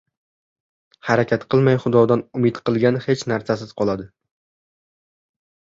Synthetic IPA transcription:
haɾakʲat̪qʰɨlˠmajχʊd̪ɒd̪anʊmɪd̪qʰɨlˠɡʲanhe̞t͡ʃnaɾsasɪzqʰɒlˠad̪ɪ

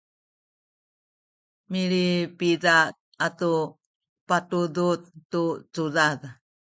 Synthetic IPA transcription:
miɾipidat̚ | atu | patudut̚ːut͡sudað

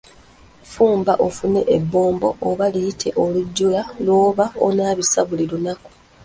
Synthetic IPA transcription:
fuːmbaʔo̞fune̞ʔebːo̞ːmbo̞̰ʔoβaliitʰe̞ʔo̞luɟːulalwo̞ːβao̰naːβisaβulilunaku̥

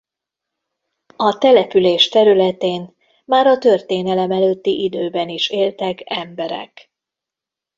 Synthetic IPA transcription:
ɒt̪ɛlɛpyleːʃt̪ɛɾylɛt̪eːn | maːɾɒt̪ørt̪eːnɛlɛmɛløːt̪ːiʔid̪øːbɛniʃeːlt̪ɛkɛmbɛɾɛ̰k

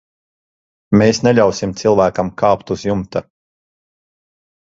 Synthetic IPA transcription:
meːsnɛʎʲawsimt̪silˠvæːkɐmkʰaːpt̪uzjumt̪a

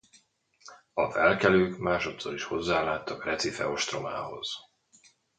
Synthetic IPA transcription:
ɒvɛlkɛløːkmaːʃo̞t̪so̞ɾiʃho̞zːaːlaːt̪ːɒkrɛt̪sifɛ̰o̞ʃt̪ro̞maːho̞̰z̥

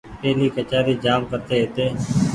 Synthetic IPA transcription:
peːliːkət͡ʃaːɾiːd͡ʒaːmkəɾt̪eːɦet̪eː

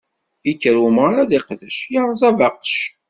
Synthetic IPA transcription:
ikːəɾuməɾˤaðiqðəʃjaɾˤzˤɑvɑqʃ

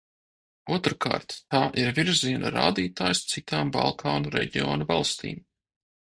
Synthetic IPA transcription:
uɔt̪ɾkʰa̰ːɾt̪ːaːʔiɾvʲiɾziɛnʔa̰ɾa̰ːd̪iːt̪aːjst̪sit̪aːmbɑ̰lˠkʰaːnuɾɛ̰ɟio̰ːnavɑlˠst̪ḭːm

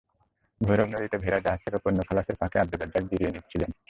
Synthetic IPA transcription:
bʱojɾobnod̪it̪ebʱeɾad͡ʑaɦaekoponːokʰalaʃeɾpakeab̚d̪ulad̪ak̚d̪iɾienit͡ɕʰilen

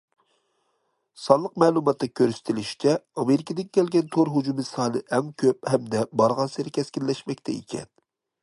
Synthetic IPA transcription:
sɑnlˠəq̚mɛːlˠumɑt̪ːɑkʲʰøɾsɪ̥t̪ʰɪlɪʃi̥t͡ʃʰɛɑmeɾɪkʰid̪ɪnkʲɛlɡʲɛnt̪ʰoɾɦud͡ʒumɨsɑːnɨʔɛŋkʲʰøp̚hɛmd̪ɛbɑɾʁɑnsɪɾɪkʲʰɛskʲinlɛʃmɛk̚ʲt̪ʰɛḭkʲʰɛ̰n

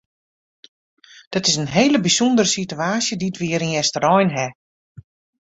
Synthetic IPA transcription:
d̥ɔtɪsənɦejləbisondəɾəsityaːsjədiətʋɪːəɾəŋɛstərɔjnɦɛ

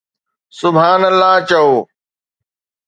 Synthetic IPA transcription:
sʊbʱaːnəlːaːt͡ɕɐoː

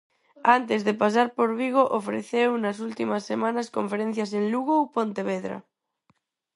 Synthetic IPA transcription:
ant̪ezðepas̬aɾpoɾβiɣ̞oʔofɾḛθewnas̬ult̪imasːemãnaskõɱfeɾẽn̟θjasẽnluɣ̞owpont̪eβeðɾa̰

